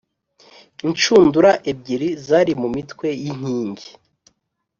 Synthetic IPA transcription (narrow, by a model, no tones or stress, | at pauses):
int͡ʃuːnduɾaʔeb̚ɟiɾizaːɾimumitwe̞jiɲ̥iːɲɟe